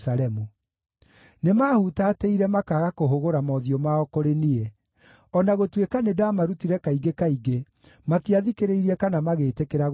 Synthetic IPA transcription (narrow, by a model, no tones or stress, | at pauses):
saɾɛmu | nemaːhutateiɾɛmakaɣakoɦoɣoɾamɔðiɔmaɔkoɾenie | ɔnaɣotwekanedamaɾutiɾɛkaiɡekaiɡe | matiaðikeɾeiɾiɛkanamaɣeːtekeɾaɣ